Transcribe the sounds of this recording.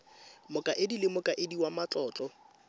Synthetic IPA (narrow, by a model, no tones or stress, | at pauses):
mʊkʼaʔɪdilɪmʊkʼaʔɪdiwamat͡ɬʼɔːt͡ɬʼɔ